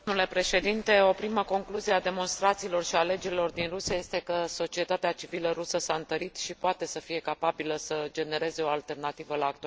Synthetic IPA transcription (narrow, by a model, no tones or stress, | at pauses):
ule̞pɾe̞ʃe̞d̪int̪e̞o̞pɾiməko̞ŋkluzijead̪e̞mo̞nst̪ɾat̪siːlo̞rʃiale̞d͡ʒeɾilo̞rd̪inrusiaje̞st̪e̞kəso̞t͡ʃie̞t̪at̪eat͡ʃiviləɾusəsaɨnt̪əɾit̪ʃipoat̪e̞səfije̞kapabiləsəd͡ʒe̞ne̞ɾe̞ze̞o̞alt̪e̞rnat̪ivəlaːk̚t̪ua